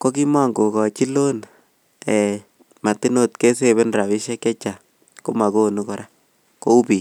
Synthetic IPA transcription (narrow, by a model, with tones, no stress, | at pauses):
ko˦ki˦ma˦ŋɡo˨kɔ˨t͡ʃi˦lo˦n | ɛ˨ | ma˨ti˦no˦tke˦se˦be˦nɾa˨βi˦ʃɛ˦kɛ˦t͡ʃa˨ | ko˦ma˨ko˦nu˦kɔ˨ɾa˦ | ko˦u˦pi˨